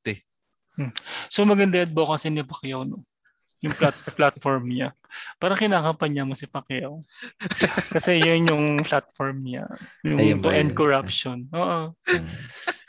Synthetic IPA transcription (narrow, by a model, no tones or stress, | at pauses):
m̩somɐɡɐnd̪ɐjɐd̪̚bokɐsɛnɪpɐkɪjawno | jʊŋplat̪̚plat̪̚foɹmɲa | paːɾɐŋkɪnaːkɐpɐɲamosɪpɐkjaw | kɐsɛjʊnjʊŋplat̪̚foɹmɲa̰jʊt̪oʔɛnd̪̚koɹapʃonʔoːʔo